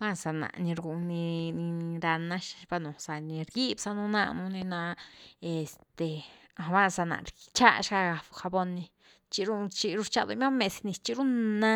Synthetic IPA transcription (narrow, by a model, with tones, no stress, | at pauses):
ba˦˨sa˨nã̰˨ʔnĩ˧ɾɡu˧nĩ˧nĩ˧ɾa˧nã˦ʃi̥˧ba˧nũ˨sa˧nĩ˧ɾɡi˦bsa˧nũ˧˦nã̰˧nũ˧nĩ˧nã˧e˨st̪e˨ | a˨˧βa˦˨sa˧˨nã̰˨ɾi˧t͡ʃa˦˧ʃka˧ɡa˧˨˧xa˧bo˧nĩ˧ | t͡ʃi˧ɾu˦˧t͡ʃi˧ɾu˦t͡ʃa˧d̪ṵ˧mã˦mẽ˧snĩ˧t͡ʃi˧ɾu˦nã˦